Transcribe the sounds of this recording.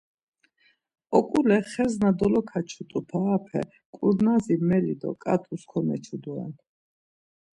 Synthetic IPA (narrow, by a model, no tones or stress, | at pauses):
ɔkʼulɛχɛznad̪ɔlɔkʰat͡ʃʰut̪ʼupʰaːpʰɛ̰ | kʼuɾnazimɛlid̪ɔ̰kʼa̰t̪ʼʰuskʰɔmɛt͡ʃʰud̪uɛ̰n